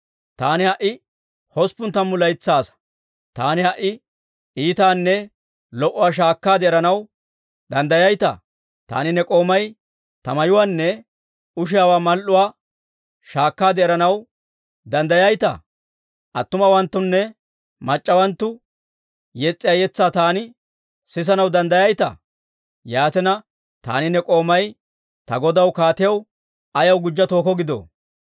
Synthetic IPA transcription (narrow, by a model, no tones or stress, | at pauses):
t̪aːnɪhɐʔːɪ | hɔspʊnt̪ːɐmːʊlɐjt͡sːaːs | t̪aːnɪhɐʔːɪ | iːt̪aːnːɛ | lɔʔʊwaːʃ̬aːkːaːd̪ɛɛɾɐnɐw | d̪ɐnd̪ɐjɐjt̪ɐ̰ | t̪a̰ːnɪnɛkʼo̞ːmɐj | t̪ɐmɐjʊwaːnːɛ | ʊʃ̬ɪjaːwaːmɐlʔʊwaː | ʃaːkːaːd̪ɛɛɾɐnɐw | d̪ɐnd̪ɐjɐjt̪ɐ̰ | ʔɐ̰t̪ːʊmɐwɐnt̪ːʊnːɛ | mɐt͡ʃʼːɐwɐnt̪ːʊ | jɛt͡sʼːɪjaːjɛt͡sːaːt̪aːnɪ | sɪs̬ɐnɐwd̪ɐnd̪ɐjɐjt̪ɐ̰ | jaːt̪ɛnɐ | t̪a̰ːnɪnɛkʼo̞ːmɐj | t̪ɐɡɔd̪ɐwkaːt̪ɪjɐw | ɐjɐwɡʊd͡ʒːɐt̪o̞ːkɔɡɪd̪o̰ː